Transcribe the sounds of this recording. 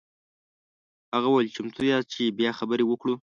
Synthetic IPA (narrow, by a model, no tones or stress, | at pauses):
haɣawalt͡ʃɪmt̪ʰujɑt͡ʃebjɑxabəɾewəkɽu